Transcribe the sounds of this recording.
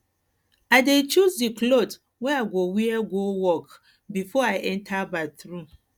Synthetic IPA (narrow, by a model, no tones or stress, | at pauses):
aɪdet͡ʃuzdiklot | wɛ̃aɡowiɛɡowɔk | bifɔaɪʔɛ̃ntʰabaθɹu